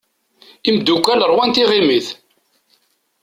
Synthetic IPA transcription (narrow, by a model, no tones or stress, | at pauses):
imd̪ːukʷːæləɾˤwænt̪iʁimiθ